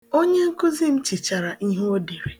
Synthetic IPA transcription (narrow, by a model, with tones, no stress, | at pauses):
o˦ɲe˦ŋ̩˦kʊ˦zi˦m̩˦t͡ʃi˨t͡ʃa˨ɾa˨ʔi˦ɦe˦o˦di˨ɾe˨